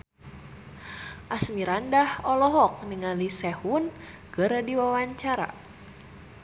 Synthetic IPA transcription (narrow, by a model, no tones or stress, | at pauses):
ʔasmiɾandahɔlɔɦɔk̚niŋalisɛhun | ɡəɾədiwawaɲt͡ʃaɾa̰